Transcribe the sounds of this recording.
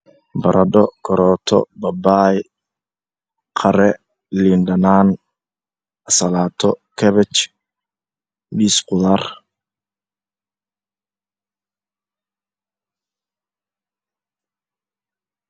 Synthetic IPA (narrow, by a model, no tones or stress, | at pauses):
bɐɾʔɐɖɔkʰɔɾɔːt̪ʰɔ̰bɐbaj | qʰɐɾɛ | lindɐnaːn | ɐsɐlaːt̪ʰɔkʰɛβɛt͡ʃ | biːsqʊðaːr